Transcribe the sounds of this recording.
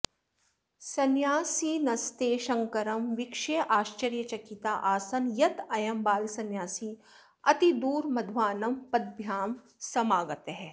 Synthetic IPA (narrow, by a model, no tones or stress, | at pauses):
sɐnjaːsinɐst̪eːʃɐ̃ŋkɐɾɐmʋɪkʃejʔaːʃt͡ʃɐɾjɐt͡ʃɐkit̪aːʔaːsɐnjɐt̪ɐjɐmbaːlsɐnjaːsi | ɐt̪id̪uːɾmɐd̪ʱʋaːnɐmpɐd̪̚bʱjaːm | sɐmaːɡət̪ɦɛː